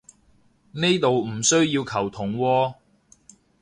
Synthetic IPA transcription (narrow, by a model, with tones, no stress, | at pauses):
ne˥jt̪o˨wm̩˨˩sɵ˥ɥjiː˧wkʰɐ˨˩wt̪ʰʊ˨˩ŋwɔː˧